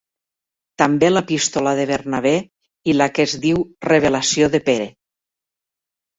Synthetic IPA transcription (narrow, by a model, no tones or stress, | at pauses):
t̪ambelapist̪olaðeβ̞eɾnaβ̞e | ilakezðiwreβ̞elasjoðepeɾe